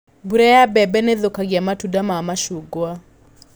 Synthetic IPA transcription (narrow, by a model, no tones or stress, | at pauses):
buɾɛjabɛbɛneðokaɡɪamatudamamaʃuɡwa